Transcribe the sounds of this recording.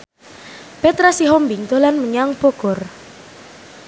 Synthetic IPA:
pet̪ɾasiɦɔmbiŋt̪olanməɲaŋpoɡ̥ɔ̤r

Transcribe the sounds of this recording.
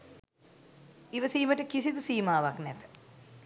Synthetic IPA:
iʋəsiːməʈəkisit̪usiːmaːʋaknɛt̪ə̥

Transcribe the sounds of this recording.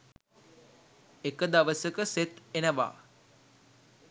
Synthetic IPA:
ekəd̪aʋəsəkəset̪enəʋa̰ː

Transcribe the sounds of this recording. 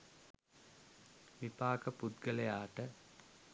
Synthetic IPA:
ʋipaːkəpud̪ɡələjaːʈə

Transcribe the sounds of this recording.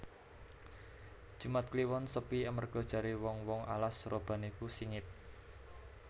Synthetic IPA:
d̥ʒ̥umat̪̚kliwɔnsəpiəmərɡ̥ɔ̤d̥ʒ̥a̤ɾiwɔŋwɔŋa̰lasrob̥a̤nikusiŋɪt̪̚

